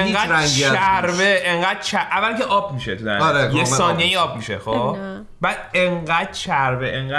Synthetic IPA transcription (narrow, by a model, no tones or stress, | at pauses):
eŋɡæːdɾæŋɡæɾveeŋɢæːd̪̥̚t͡ʃʰæʔævːælkʰeʔɒːb̚miʃet̪ʰuæ̰aɾekjesɒːnijejiɒːb̚miʃḛxo | bæd̪̥eŋɢæd̪̥̚t͡ʃʰæɾveʔeŋɡ